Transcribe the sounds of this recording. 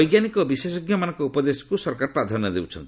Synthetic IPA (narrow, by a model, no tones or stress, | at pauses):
jɡjanikɔbisesɔɡjɔmanɔŋkɔupɔd̪esɔ̥kusɔɾkaɾɔpɾad̪ʱanːɔd̪ewt͡ʃʰɔnt̪i̥